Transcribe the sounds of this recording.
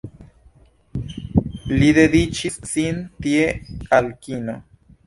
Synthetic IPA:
liðedit͡ʃissint̪iealkino

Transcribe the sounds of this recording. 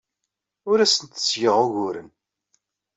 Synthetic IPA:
ʊɾæsənt̪ə̥sjəʁʊʝʊɾə̰n

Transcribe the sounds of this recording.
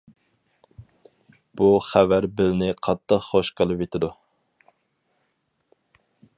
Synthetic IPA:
b̥uχævæɾbɪlnɪqʰɑt̪ʰːəqχoʃqʰəlˠɨpjet̪ʰɪd̪u

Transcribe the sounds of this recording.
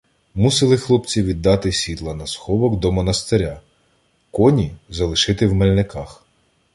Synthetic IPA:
musɪlˠɪxlˠɔpt͡sʲiʋʲid̪ːɑt̪ɪsʲʋʲit̪lˠɐnɐsxɔbɔɡd̪ɔmɔnɐst̪eɾʲa | kɔnʲizɐlˠɪʃɪt̪ɪwmelʲnɪkɑx

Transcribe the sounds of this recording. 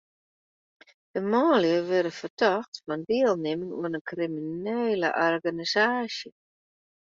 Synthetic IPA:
d̥əmɔːljəʋɪɾəfərtʰɔxtfɔndɪəlˠnɪmənṵənənkrimineːlə̰ʔɔrɡanisaːsjə

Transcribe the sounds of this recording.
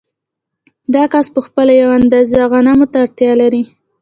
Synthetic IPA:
d̪ɑkaspəxpəlajawand̪ɑziaɣɑnamʊt̪aɽt̪jɑlaɾi

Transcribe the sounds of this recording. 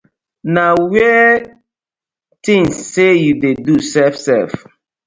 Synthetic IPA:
nawɛ | tĩŋsːejudedusɛfsɛf

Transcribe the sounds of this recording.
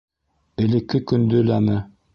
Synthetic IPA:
ɘ̆lɘ̆kːɘkɵ̆nd̪ɵlænɘ

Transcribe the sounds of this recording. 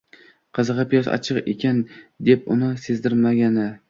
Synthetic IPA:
qʰɨzɨʁɑpʰijɒsɒ̰t͡ʃʰɨqḛkʲand̪e̞pʊnɪse̞zd̪ɪɾmaɡʲanɪ

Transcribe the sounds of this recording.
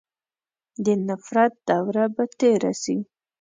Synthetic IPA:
d̪ənafɾat̪̚d̪awɾabat̪eɾa̰si

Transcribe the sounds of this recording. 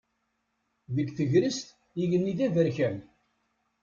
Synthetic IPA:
ðəɡθəʝɾəst̪ | iʝənːiðævəɾçæm

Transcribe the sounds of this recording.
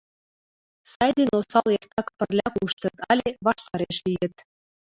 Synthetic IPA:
sɑjd̪enosɑlˠjekt̪ʰɑkpə̆rlʲɑkuʃt̪ɤ̆t̪ɑlʲeβɑʃt̪ɑɾeʃlʲijɘ̆t̪

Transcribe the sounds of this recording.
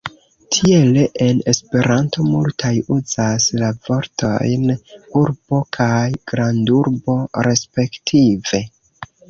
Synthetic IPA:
tʰie̞leʔe̞ne̞spe̞ɾanto̞multʰajuz̥aslavo̞ɾto̞̰jnuɾb̥o̞kʰajɡ̥ɾanduɾbo̞ɾe̞spe̞ktʰive̞

